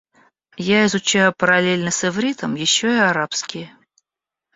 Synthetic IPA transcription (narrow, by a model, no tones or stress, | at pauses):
jaɪzʊt͡ɕæjʊpəɾɐlʲelʲnəsʲɪvɾʲit̪əmjɪɕːoɪaɾapskʲɪjə